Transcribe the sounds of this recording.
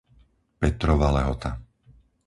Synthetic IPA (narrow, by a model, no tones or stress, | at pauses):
pɛt̪ɾɔʋalɛɦɔt̪a